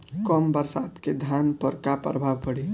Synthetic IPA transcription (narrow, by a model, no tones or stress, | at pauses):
kɔmbəɾsad̪ked̪ʱjanpəɾkapɾəbʱaʋpəɽi